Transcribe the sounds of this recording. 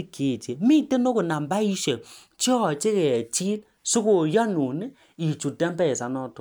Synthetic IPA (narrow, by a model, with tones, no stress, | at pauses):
i˦kʰe˨t͡ʃe˨mi˦te˦no˦ko˨na˨m˨ba˦i˦ʃe˨ | t͡ʃi˦ɔ˨t͡ʃe˦kɛ˨a˨t͡ʃi˦l | su˦ko˨jɔ˦nu˨ne˦ | i˨t͡ʃu˨dɛ˦m˦bɛ˦˨sa˨˦nɔ˦to˨